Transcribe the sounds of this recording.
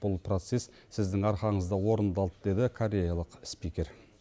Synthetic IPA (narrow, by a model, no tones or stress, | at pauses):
b̥ʊlˠpʰro̞t̪se̞s | sɪzd̪ɪŋɑɾqɑɴəzd̪ɑwo̞ɾənd̪ɑlˠd̪əd̪e̞d̪ɪkʰoɾʲe̞jalˠəqspikʲe̞ɾ